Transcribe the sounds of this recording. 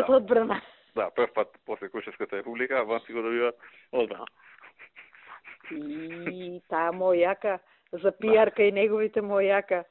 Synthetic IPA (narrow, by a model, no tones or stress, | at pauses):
at̪ɔd̪̚bɾana | d̪apr̩fpat̪pɔslɛkɾuʃɛfskat̪aɾɛpublikabansiɡɔd̪abivat̪ | ɔd̪̚bɾa̰na̰ | i | t̪ajamɔjaka | zapiaɾkainɛɡɔvit̪ɛmɔjaka